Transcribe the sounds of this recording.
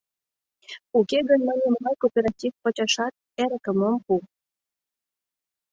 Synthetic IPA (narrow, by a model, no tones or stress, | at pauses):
ukeɣənʲmɑnʲemnɑjkopʲeɾɑtʲifpət͡ɕɑʃɑt̪̚ | eɾəkəməmpu